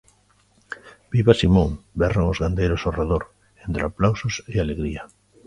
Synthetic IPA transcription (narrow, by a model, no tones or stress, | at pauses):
b̥iβasimõŋbɛraŋozɣand̪ejɾosoreðoɾ | ent̪ɾeaplawsosealeɣɾiɐ